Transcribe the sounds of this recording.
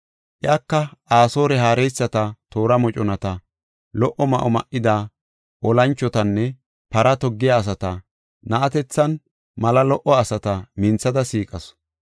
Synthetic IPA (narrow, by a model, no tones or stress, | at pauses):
ʔɪaːkːɐʔaːso̞ːɾɛɦaːɾɛjsːɐt̪ɐt̪o̞ːɾɐmɔt͡ʃʼɔnɐt̪ɐ | lɔʔɔmɐʔɔmɐ̰ʔɪd̪aː | ʔɔlɐnt͡ʃːɔt̪ɐnːɛ | pɐɾɐt̪ɔɡːɪjaːs̬ɐt̪ɐ | nɐʔɐt̪ɛt͡sːɐn | mɐlɐlɔʔɔɐsɐt̪ɐmɪnt͡sːɐd̪ɐsiːkʼɐs